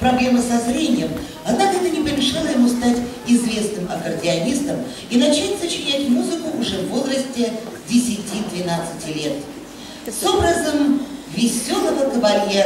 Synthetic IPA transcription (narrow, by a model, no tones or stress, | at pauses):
pɾɐblʲe̞məsɐzɾʲenʲɪjəm | ɐd̪nakənənʲɪpəɾʲɪʂɨlˠəjɪmust̪atʲɪzvʲe̞snɨmɐkərdʲɪɐnʲist̪əm | inɐt͡ɕætʲsət͡ɕɪnʲætʲmuzɨkʊːʐɛvo̞lˠrəsʲtʲɪzʲdʲɪsʲɪtʲid̪vʲɪnat̪sɨtʲɪlʲe̞t̪ | so̞bɾəzəmvʲɪsʲo̞lˠəvəkəvɐlʲje